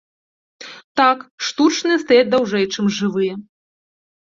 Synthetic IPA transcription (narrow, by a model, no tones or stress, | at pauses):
t̪akʂt̪ut͡ʂnɨjɛst̪ajad͡zʲd̪awʐɛjt͡ʂɨmʐɨvɨjɛ